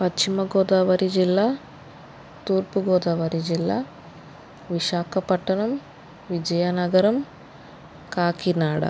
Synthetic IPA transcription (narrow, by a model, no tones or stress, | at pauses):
pɐt͡ʃt͡ʃimɐɡoːd̪aːʋɐɾid͡ʒilːa | t̪uːrpuɡoːd̪aːʋɐɾid͡ʒilːa | ʋiʂaːkʰɐpɐʈːɐnɐm | ʋid͡ʒɐjɐnɐɡɐɾɐm | kaːkinaːɽɐ̰